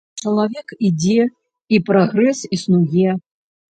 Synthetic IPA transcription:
t͡ʂɐlˠavʲɛkid͡zʲɛ | ipɾaɣɾɛsisnujɛ

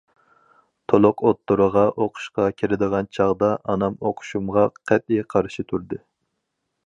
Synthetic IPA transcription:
t̪ʰolˠʊqʰot̪ːuɾɨʁɑʔoqʰʊ̥ʃqɑkʲʰiɾɪd̪əʁɑnt͡ʃʰɑʁd̪ɑʔɑnɑmoqʰʊ̥ʃumʁɑqʰɛt̪̚iqʰɑɾʃit̪ʰuɾd̪ɨ

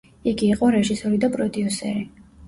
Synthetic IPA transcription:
iɡiːqʼɔɾɛʒisɔɾid̪apʼɾɔd̪iusɛɾi

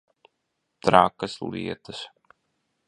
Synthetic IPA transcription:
t̪ɾaːkɐslˠḭɛt̪əs

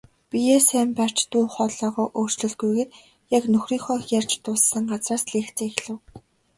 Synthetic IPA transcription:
pʲijeːsæːmpar̥t͡ɕt̪uːχɔɮɔːʁɔːʔoːr̥t͡ɕɮɘ̆ɮɡujɣeːt̪ | jaknɵxriːŋχɔːxjar̥t͡ɕt̪ʊːssːə̆ŋɢat͡sraːsɮeːxt͡seːxɮɘ̆w

